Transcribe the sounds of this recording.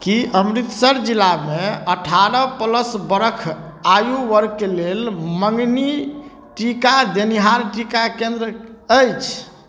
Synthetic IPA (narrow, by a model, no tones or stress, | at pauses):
kiʔəmɾit̪səɾd͡ʒilːameəʈʰaɾəpələsbəɾəkʰ | ajuʋəɾkːelelməŋɡni | ʈikad̪eniɦaɾʈikakẽnd̪ɾəəjt͡ʃʰ